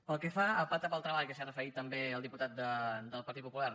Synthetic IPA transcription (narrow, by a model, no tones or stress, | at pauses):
pəlˠkɛfaəpat̪əpəlˠt̪ɾəβaʎkəsarəfəɾit̪ːəmbeəlˠd̪iput̪at̪̚d̪əd̪əlˠpəɾt̪it̪̚pupulaɾ